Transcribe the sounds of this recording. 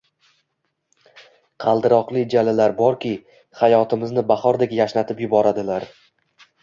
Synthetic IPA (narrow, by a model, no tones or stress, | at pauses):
qʰɑlˠd̪ɪɾɒqlˠɪd͡ʒalalaɾbɒɾkʲʰɪ | χajɒt̪ʰɪmɪznɪbaχɒɾd̪ekʲjaʃnat̪ʰɪpjʊbɒɾad̪ɪlaɾ